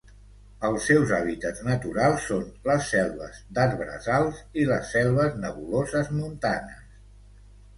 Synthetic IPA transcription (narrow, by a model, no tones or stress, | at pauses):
əlˠsːɛwzaβit̪əd̪znət̪uɾalˠsːonləsːɛlˠβə̰zd̪əd̪βɾə̰zalˠziləsːɛlˠβəznəβulozəzmunt̪anəs